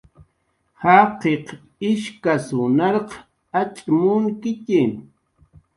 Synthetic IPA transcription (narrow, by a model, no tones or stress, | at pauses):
hɑqeq | ɪʃkasʊnɑɾq | at͡ʃʼmʊŋkɪcɪm